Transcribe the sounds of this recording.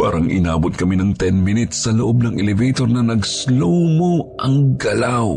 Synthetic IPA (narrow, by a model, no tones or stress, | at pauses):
pa̰ːɾɐŋʔɪ̰naːbʊt̪̚kɐminɐŋt̪ɛnminɪt̪sːɐloʔob̚nɐŋʔɛlɪvejt̪oɾnɐnɐɡslowmoʔɐŋɡɐlaw